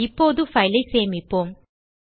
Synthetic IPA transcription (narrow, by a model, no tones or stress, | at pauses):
ɪpːoːðɯfɐjlɐɪseːmɪpːoːm